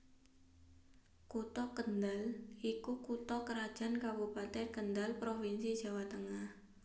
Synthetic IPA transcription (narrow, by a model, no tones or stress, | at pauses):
kut̪ɔkənd̪alikukut̪ɔkəɾad̥ʒ̥a̤nkabupat̪ɪkənd̪alpɾofinsi̥d͡ʒ̥a̤wat̪əŋah